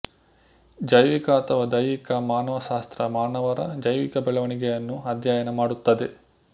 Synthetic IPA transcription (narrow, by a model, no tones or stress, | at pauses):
d͡ʒɐjʋikɐːt̪ʰɐʋɐd̪ɐjʋikɐmaːnɐʋɐʃaːst̪ɾɐmaːnɐʋɐɾɐd͡ʒɐjʋikɐbɛɭɐʋɐɳiɡɛjɐnːuɐd̪ʱjaːjɐnɐmaːɽut̪ːɐd̪e